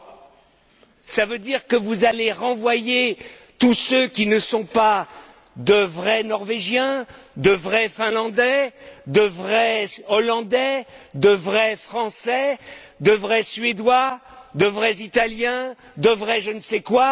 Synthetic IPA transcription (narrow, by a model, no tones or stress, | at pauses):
savød̪iʁkəvuzaleʁɑ̃vwaje | t̪usøkʲinəsɔ̃pa | d̪əvʁɛnɔʁveʒjɛ̃d̪əvʁɛfɛ̃lɑ̃d̪ɛd̪əvʁɛɔlɑ̃d̪ɛd̪əvʁɛfχɑ̃sɛd̪əvʁɛsɥed̪wad̪əvʁɛzit̪aljɛ̃ | d̪əvʁɛʒənəsɛkwa